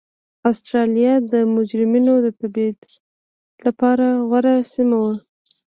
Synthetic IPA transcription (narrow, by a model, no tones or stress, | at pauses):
ɑst̪ɾɑlijad̪əmʊd͡ʒɾɪminod̪ət̪abed̪ | lapɑɾaɣwaɾasimawa